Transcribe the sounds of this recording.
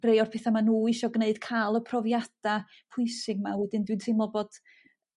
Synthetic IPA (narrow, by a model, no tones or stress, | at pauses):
rejɔrpʰɛːθamanuːɪʃɔɡneɨd̥kʰaːlˠəpʰrɔvjad̥a | pʰʊɨsɪɡmawɛdɨndwɨntʰɪmɔbɔd̥